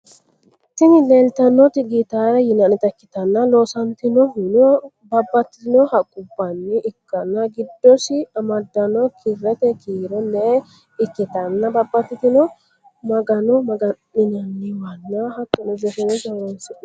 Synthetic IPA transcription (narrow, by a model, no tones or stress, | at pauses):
sɪnɪlelt̪ɐnːɔt̪ɪɡit̪aːɾɐjɪnɐnɪt̪ɐkːɪ̥t̪ɐnːɐloːsɐnt̪ɪnɔhnɔ | bɐbːɐt̪ːɪɪd̪ɪnɔhɐkʼʊbːɐnːɪʔɪkːɐnːɐɡɪd̪ːɔsɪɐmɐd̪ːɐnɔkʰɪɾɛt̪ɛkʰiːɾɛnːɛ | ɪkːɪt̪ɐnːɐbɐbːɐt̪ːɪt̪ɪnɔ | mɐɡɐnɔmɐɡɐ | ɪnɐnːɪwɐnːɐhɐtːɔnɔd͡ʒɔsɛnɔd͡ʒɐwɾɐnsɪ